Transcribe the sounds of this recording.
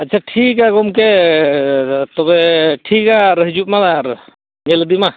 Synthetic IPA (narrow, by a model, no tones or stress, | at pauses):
ətːt͡ʃʰaʈʰikaɡɔmke | t̪ɔbɛʈʰikaɾɦid͡ʒup̚malaɾ | ɲɛld̪ima